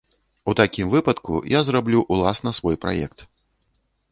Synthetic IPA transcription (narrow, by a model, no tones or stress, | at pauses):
ut̪akʲimvɨpɐt̪kṵjazrablʲuʔulˠasnɐsvɔjpɾa̰jɛkt̪